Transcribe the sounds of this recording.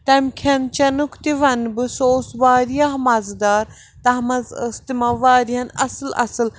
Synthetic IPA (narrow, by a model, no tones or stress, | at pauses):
t̪ɐmkʰɐnt͡ʃɐnukʰt̪iʋɐnbɨsoːsʋaːɾijaɦmɐzd̪aːɾ | t̪ɐɦmɐzɐst̪imɐʋaːɾiɦɐnɐ̰sɨlɐ̰sɨl